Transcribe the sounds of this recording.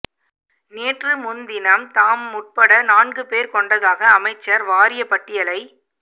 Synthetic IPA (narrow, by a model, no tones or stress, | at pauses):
neːʈrɯmʊnd̪ɪnɐmt̪aːmːʊʈ̚pɐɽɐnaːnɡɯpeːɾkɔɳɖɐðaːɣɐːmɐɪt͡ʃːɐɾʋaːɾɪjɐpːɐʈːɪjɐlɐɪ